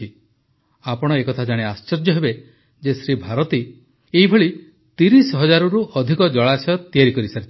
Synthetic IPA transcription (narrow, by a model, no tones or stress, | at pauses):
i | apɔɽ̃ɔekɔt̪ʰad͡ʒaɽ̃east͡ʃɔɾd͡ʒɔɦebe | d͡ʒesɾibʱaɾɔt̪i | eɦibʱɔɭi | t̪iɾisɔɦɔd͡ʒaɾuɾuʔɔd̪ʱikɔd͡ʒɔɭasɔt̪iaɾikɔɾisaɾit͡ʃʰ